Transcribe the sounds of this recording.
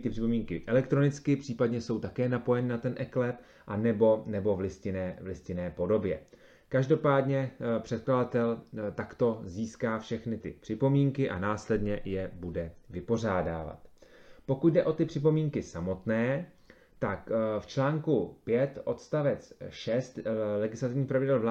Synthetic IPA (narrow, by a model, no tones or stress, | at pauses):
t̪ɪprɪpo̞miːŋkɪʔɛlɛkt̪ɾo̞nɪt͡skɪpr̥iːpadɲɛso̞wt̪akɛːnapo̞jɛnɪnat̪ɛnʔɛklɛp | ʔanɛbo̞nɛbo̞vlɪscɪnɛːvlɪscɪnɛːpo̞do̞bjɛ̰ | kaʒdo̞paːdɲɛpr̥ɛt̪̚kladat̪ɛlt̪akt̪o̞ziːskaːfʃɛxnɪt̪ɪ̰pr̥ɪpo̞miːŋkɪʔa̰naːslɛdɲɛjɛbudɛvɪpo̞r̝aːdaːva̰t̪po̞kut̪̚dɛʔo̞t̪ɪpr̥ɪp̬o̞miːŋkɪsamo̞t̪nɛː | t̪akft͡ʃlaːŋkupjɛt̪ʔo̞t̪st̪avɛt͡sʃɛst̪lɛɡɪslat̪ɪvɲiːpɾavɪdɛlvla